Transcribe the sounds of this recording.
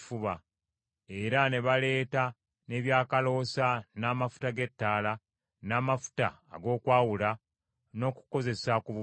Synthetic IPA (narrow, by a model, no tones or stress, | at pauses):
fuβa | e̞ɾane̞βale̞ːta | ne̞βjaːkalo̞sanaːmafu̥taɡe̞tːaːla | naːmafu̥ta̰ːɡo̞ːkwaːwula | no̞ku̥ko̞ze̞sakuβu